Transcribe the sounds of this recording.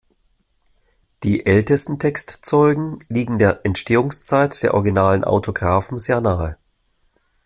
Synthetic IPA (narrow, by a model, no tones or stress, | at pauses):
d̥iːʔɛltəstn̩tʰɛkstt͡sɔʏɡŋ̩liːɡŋ̩deːɐʔɛntʃteːʊŋst͡saɪtd̥eːɐʔɔɐɡinaːlənʔa̰ʊtʰoɡʁaːfn̩zeːɐnaːə